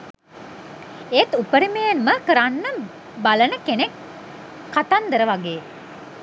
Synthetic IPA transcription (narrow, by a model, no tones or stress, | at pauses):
et̪upəɾimejenməkəɾanːə | balənəkenekː | at̪and̪əɾəʋaɡeː